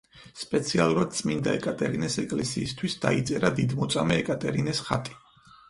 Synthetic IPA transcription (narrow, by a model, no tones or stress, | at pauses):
spʼɛt̪sʰialˠuɾad̪̥̚t̪sʼmind̪aɛkʼat̪ʼɛɾinɛsɛkʼlɛsiːst̪ʰwisd̪̥ait̪sʼɛɾad̪id̪mɔt̪sʼamɛːkʼat̪ʼɛɾinɛsχat̪ʼi̥